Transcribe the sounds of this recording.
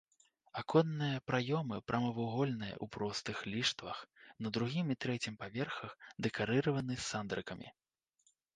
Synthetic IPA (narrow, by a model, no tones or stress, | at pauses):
akʰɔnːɨjɐpɾajɔmɨpɾʔɐmɐvuɣɔlʲnɨjɐ̰ʔupɾɔst̪ɨxlʲiʂt̪vɐxnɐd̪ɾuɣʲimit̪ɾɛt͡sʲimpavʲɛrxɐxd̪ɛkaɾɨɾɐvɐnɨsand̪ɾɨkɐmʲʔḭ